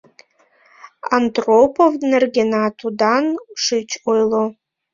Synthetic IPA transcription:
andropʰovnarɡʲenatʰudanʂɨt͡ʃʰʼojlo

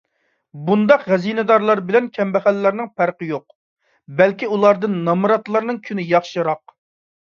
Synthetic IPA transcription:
bund̪ɑqʁɛzinɨd̪ɑɾlˠɑɾbɪlɛnkʲʰɛmbɛχælːæɾnɪŋpæɾqəjoq̚ | bɛlkʲiulˠɑɾd̪ɨnːɑmɾɑt̪lˠɑɾnɨŋkʲʰynɪjɑχʃɨɾɑq

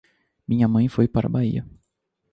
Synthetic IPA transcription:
mĩɲɐmɐ̃j̃fojpaɾɐ̰baiɐ

